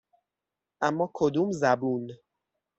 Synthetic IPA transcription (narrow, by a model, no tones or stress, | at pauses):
ʔamːɒːkʰod̪umzæbun